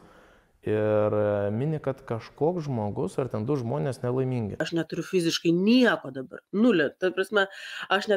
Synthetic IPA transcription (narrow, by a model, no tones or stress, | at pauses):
ɪɾmʲɪnʲɪkɐt̪kɐʃkoːksʒmoːɡʊsɐrt̪ʲɛnd̪ʊʒmoːnʲeːsnʲɛlˠɐɪmʲiːŋʲɡʲɪɐʃnʲɛt̪ʊɾʲʊfʲɪzʲɪʃkɐɪnʲiɛkoːd̪ɐbɐ̰rnʊlʲɛt̪ɐpɾɐsʲmʲɛɐʃnʲɛ